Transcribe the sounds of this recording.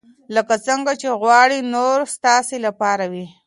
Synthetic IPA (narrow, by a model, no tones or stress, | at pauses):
ləkat͡səŋɡat͡ʃeɣwɑɽinoɾst̪ɑselapɑɾawi